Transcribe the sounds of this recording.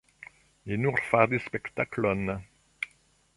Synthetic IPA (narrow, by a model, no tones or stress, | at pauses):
enuʁfad̪espɛkt̪aklɔn